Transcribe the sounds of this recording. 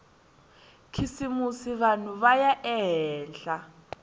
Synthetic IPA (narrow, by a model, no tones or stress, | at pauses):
kʰisimusiβanuβajaʔɛɦɛːnɬa